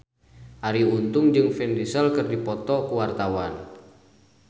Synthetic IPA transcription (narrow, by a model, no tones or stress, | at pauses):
ʔaɾiunt̪ʊŋd͡ʒɨŋfɛndisəlkɨrdipɔt̪ɔkuwart̪awan